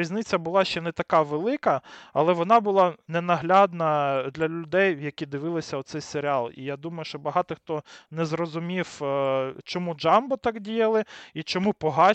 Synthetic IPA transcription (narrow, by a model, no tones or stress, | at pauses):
ɾʲizʲnɪt͡sʲːɐbʊlˠɑʃt͡ʃɛnɛt̪ɐkɑʋelˠɪkɐɐ̰lˠɛʋɔnɑbʊlˠɑnɛnɐɦlʲad̪nɐd̪lʲɐlʲʊd̪ɛjjɐkʲid̪ɪʋɪlˠɪsʲɐɔt̪sɛjseɾʲɪɑlˠḭjad̪umɐjʊʃt͡ʃɔbɐɦɑt̪ɪxt̪ɔnɛzrɔzʊmʲiw | t͡ʃɔmud͡ʒɑmbɔt̪ɑkdʲijɐlˠɪit͡ʃɔmupɔɦɑ